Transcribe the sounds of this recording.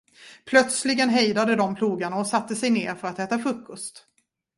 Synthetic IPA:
pʰlœt̪slɪɡənɦɛjd̪ad̪əd̪ɔmpʰluːɡaɳaɔsat̪ːəsɛjneːɾfœɾat̪ɛːt̪afɾɵkʰːɔst̪

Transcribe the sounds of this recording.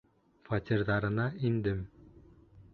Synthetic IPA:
fɑt̪ʲiɾðɑɾɤ̆nɑind̪ɘm

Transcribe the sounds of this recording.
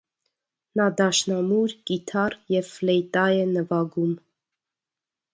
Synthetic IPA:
nɑd̪ɑʃnɑmuɾkit̪ʰɑrjɛvflɛjt̪ɑjɛnəvɑɡum

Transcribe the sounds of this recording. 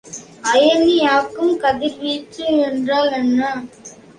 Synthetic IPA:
ɐjɐnːijaːkːɯmkɐðɪɾʋiːʈːɯɛndraːlɛnːɐ

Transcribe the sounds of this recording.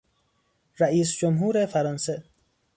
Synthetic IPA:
ɾæʔiːs̬d͡ʒomɦuːɾefæɾɒːnse

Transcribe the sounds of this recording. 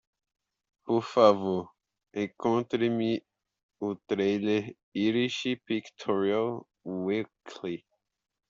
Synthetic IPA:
poɾfavoɾ | ẽkõnt̪ɾemi | ut̪ɾejleɾ | iɾiʃipikt̪ʰɔɾial | wikʰli

